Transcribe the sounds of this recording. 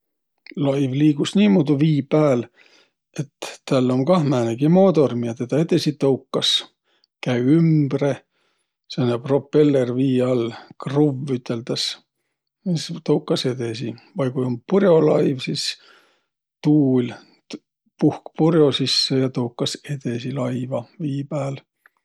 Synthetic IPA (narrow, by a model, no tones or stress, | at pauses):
lɑjvliːɡ̥usniːmud̪uviːpæːl | e̞t̪ːælːo̞mkɑhmæːneɡ̥imoːd̪o̞rmiɑt̪et̪ɑed̪esit̪ɤwkːɑs | kæjymb̥re | senæpro̞pːelːerviːɑlkruvyt̪ːˑe̞lt̪ɑs | mist̪owkːˑɑse̞d̪e̞s̬ivɑjkujompurjo̞lɑjvsis | t̪uːl | puhkpurjo̞sisːejɑt̪owkːɑse̞d̪e̞silɑjvɑviːpæːl